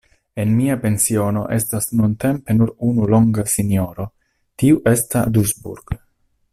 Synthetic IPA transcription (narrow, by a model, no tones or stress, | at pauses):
enmiape̞nsio̞no̞ʔe̞stasnunt̪e̞mpe̞nuɾunulo̞ŋɡasinjoɾo̞ | tiuʔe̞stad̪uzbṵɾɡ̥